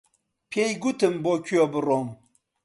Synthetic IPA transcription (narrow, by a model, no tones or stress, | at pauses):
pʰʲjejɡutɨmbokʲobɨɾom